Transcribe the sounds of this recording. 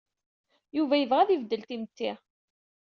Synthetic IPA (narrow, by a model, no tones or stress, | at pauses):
juvæjəvʁæðivd̪ːəlt̪imt̪ːiʁ